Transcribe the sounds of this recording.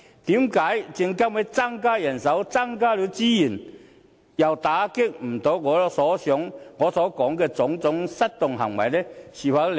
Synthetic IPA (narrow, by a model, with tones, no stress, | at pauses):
t̪iː˨˥mkaː˨˥jt͡ɕɪ˧ŋka˥mwe˨˥t͡sa˥ŋkaː˥jɐ˨˩nsɐ˨˥wt͡sa˥ŋkaː˥li˨˧˥wt͡ɕiː˥ji˨˩n | jɐ˨˩wt̪aː˨˥kɪ˥k̚m̩˨˩t̪o˨˥wŋɔː˨˧˦sɔː˨˦sjɔ˨˦˥ŋːɔː˨˧sɔː˨˦kɔː˨˥ŋkɛː˧t͡sʊ˨˥ŋt͡sʊ˨˥ŋsɐ˦˥t̚t̪ʊ˨ŋɦɐ̰˨˩ŋwɐ˨˩jlɛ˦˥ɕiː˨˩fa˧˥l